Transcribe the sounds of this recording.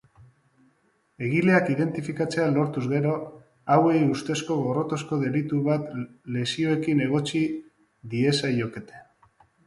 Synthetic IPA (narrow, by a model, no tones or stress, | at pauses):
e̞ɣ̞ile̞akiðe̞nt̪ifikat͡sealo̞ɾt̪uzɣe̞ɾo̞ | awe̞just̪e̞sko̞ɣo̞ro̞t̪o̞sko̞ðe̞lit̪uβat̪le̞sio̞e̞kine̞ɣ̞o̞t͡ʃi | ðie̞sajo̞ke̞t̪e̥